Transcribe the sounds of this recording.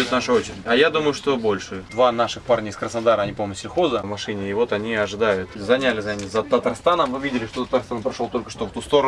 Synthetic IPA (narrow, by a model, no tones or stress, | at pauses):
ot̪naʂəo̞t͡ɕɪɾʲɪdʲɐjad̪uməjʊʂt̪o̞bo̞lʲʂɨd̪vanaʂɨxparnʲɪɪskɾəsnad̪aɾəɐnʲipoməsʲɪlʲxozəvmɐʂɨnʲɪːvo̞t̪ɐnʲiɐʐɨd̪ajʊt̪zɐnʲalʲɪzanʲɪzət̪ət̪arst̪anəmmɨvʲidʲɪlʲɪʂt̪o̞t̪ət̪arst̪anpɾɐʂolˠt̪o̞lʲkəʂt̪ovt̪ust̪o̞ɾə